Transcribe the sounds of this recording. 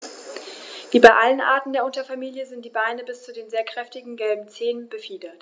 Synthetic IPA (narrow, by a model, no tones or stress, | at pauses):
viːbaɪʔalənʔa̰ɐtn̩deːɐʔʊntɐfamiːljəzɪntd̥iːbaɪnəbɪst͡sudeːnzeːɐkʁ̥ɛftɪɡŋ̩ɡɛlbm̩t͡seːnənbəfiːdɐt